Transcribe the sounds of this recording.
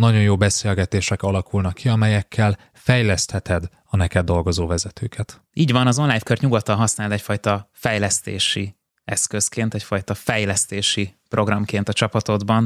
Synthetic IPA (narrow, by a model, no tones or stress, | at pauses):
nɒɟo̞njoːbɛseːlɡɛt̪eːʃɛkɒlɒkulnɒkʰːiɒmɛjɛkʰːɛl | fɛjlɛst̪hɛt̪ɛd̪ | ɒnɛkɛd̪ːo̞lɡo̞zoːvɛzɛt̪ʰøːkʰɛt̪ | iːɟʋɒnɒzo̞nlaːjfkørɲuɡot̪ːɒnɦɒsnaːlt̪ɛcfɒjt̪ɒfɛjlɛst̪ḛːʃi | ɛskøskeːnt̪ɛcfɒjt̪ɒfɛjlɛst̪eːʃiprʔo̞ɡrɒmkeːnt̪ɒt͡ʃɒpɒt̪o̞d̪bɒn